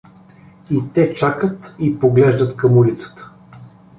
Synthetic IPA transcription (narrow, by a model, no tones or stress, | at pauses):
it̪ɛt͡ʃakət̪ipoɡlɛʒd̪ət̪kɐmuɾit̪sə̥t̪ə̥